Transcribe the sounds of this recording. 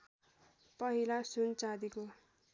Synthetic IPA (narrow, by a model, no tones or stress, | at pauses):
pʌɦilasunt͡sad̪iko